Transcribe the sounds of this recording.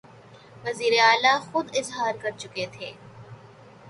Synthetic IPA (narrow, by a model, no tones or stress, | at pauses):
ʋɐziːɾeaːlaxʊd̪ɪzɦaːɾkɐɾt͡ʃʊket̪ʰeː